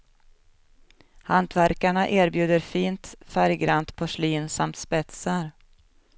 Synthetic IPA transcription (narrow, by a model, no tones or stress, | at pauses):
hant̪væɾkaɳaʔeːɾbjʉ̟ːd̪əɾfiːnt̪fæɾjɡɾant̪pʰɔʂliːnsamt̪spɛt̪səɾ